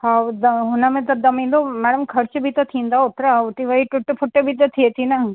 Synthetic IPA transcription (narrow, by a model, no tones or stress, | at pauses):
ɦaːd̪ɐɦʊnəmẽt̪ɐd̪ɐmĩːn̆d̪omɛːɽəmkʰɐɾt͡ʃbʱit̪ɐt̪ʰĩːnd̪aʊt̪ɾaʊt̪iʋɐiʈʊʈpʰʊʈːəbʱit̪ɐt̪ʰiet̪ʰinɐ